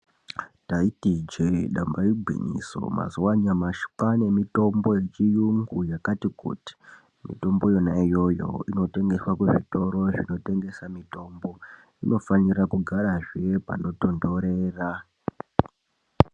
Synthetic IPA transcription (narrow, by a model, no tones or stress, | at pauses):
taitid͡ʒeɗambaibʱwḭɲḭso̞̰ma̰zuwaɲamaʃu̥kane̞mito̞mbo̞je̞t͡ʃijuŋɡujakatikṵti̥ | mḭto̞mbo̞jo̞naijo̞jo̞̰ino̞te̞ŋɡe̞swakuʐito̞ɾo̞ʐino̞te̞ŋɡe̞samito̞mbo̞ | ino̞faniɾakuɡʱaɾaʐepa̰no̞to̞ndo̞ɾe̞ːra